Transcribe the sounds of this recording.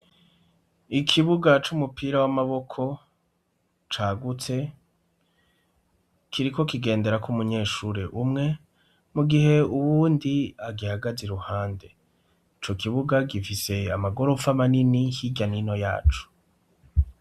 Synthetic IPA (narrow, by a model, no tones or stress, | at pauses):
ikʰiβuɡat͡ʃumupiːɾawamaβo̞kʰo̞ | t͡ʃaːɡut͡se̞ | kʰiɾiko̞kiɡe̞ːnde̞ɾakumuɲe̞ːʃuɾeʔumŋe̞ | muɡiɦe̞uβuːndiaɡihaɡaziɾuhaːnde̞ | it͡ʃo̞kiβuɡaɡifise̞amaɡo̞ɾo̞famaninihiɟanino̞ja̰ːt͡ʃu̥